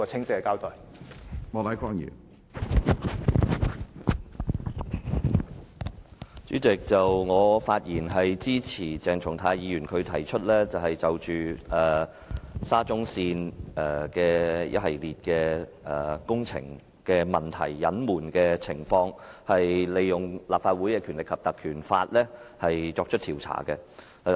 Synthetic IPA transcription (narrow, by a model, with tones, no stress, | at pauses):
ɔ˧t͡sʰɪ˥ŋsɪ˥kɛ˨kaː˥wt̪ɔː˨˩j | mɔː˨˧t̪ɐ˨˥jkaː˥ŋjḭː˨˩n | t͡ʃyː˨˥t͡sɪ˨k̚t͡sɐ˨wŋɔː˨˧faː˧t̚jiː˨˩nɦɐ˨jt͡siː˥t͡sʰiː˨˩t͡sɛː˨ŋt͡ʃʰʊ˨˩ŋt̪ʰaː˧jiː˨˧ɥyː˨˩nkʰɵ˨˧ɥt̪ʰɐ˨˩jt͡ʃʰɵ˥t̚lɛː˥t͡sɐ˨whɐ˨jt͡sɐ˨wt͡ʃyː˨ɛː˨˩ | saː˥t͡sʊ˥ŋsiː˧nɛː˨˩kɛː˧jɐ̰˥t̚hɐ˨jliː˨t̚kɛː˧ʔɛ˨kʊ˥ŋt͡sʰɪ̰˨˩ŋ | kɛː˧mɐ˨nt̪ʰɐ̰˨˩jːɐ˨˥nmuː˨˩nkɛː˧t͡sʰɪ˨˩ŋfɔː˧ŋhɐ˨jle˨˧jʊ˨ŋlaː˨pfaː˧t̚wu˨˥jkɛː˧kʰy˨˩nlɪ˨˩kʰːɐ˨p̚t̪ɐ˨kʰyː˨˩nfaː˧t̚lɛː˥hɐ˨jt͡sɔː˧k̚t͡ʃʰɵ˥t̚t̪ʰiː˨˩wt͡sʰa̰ː˨˩kɛ˧